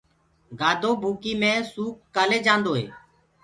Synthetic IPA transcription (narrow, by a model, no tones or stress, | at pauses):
ɡaːd̪ʱoːbʱuːkiːmẽːsuːkːaːleːd͡ʒãːnd̪oːɦḛː